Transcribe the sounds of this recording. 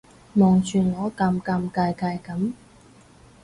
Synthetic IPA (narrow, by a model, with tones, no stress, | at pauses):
mɔː˨˩ŋt͡ʃʰyː˨˩nlɔː˨˥kaː˧mkaː˧mkaː˧jkaː˧jkɐ˨˥m